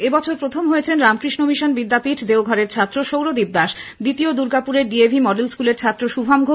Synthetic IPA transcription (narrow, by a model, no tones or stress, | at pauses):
ebɔt͡ɕʰoɾpɾot̪ʰomɦoet͡ɕʰenɾamkɾiʃnomiʃanbid̪ːapiʈʰd̪eoɡʱɔɾeɾt͡ɕʰat̪ːɾoʃowɾod̪ib̚d̪aʃd̪it̪iod̪uɾɡapuɾeɾɖiebʱimɔɖelskuleɾt͡ɕʰat̪ːɾoʃubʱamɡʱo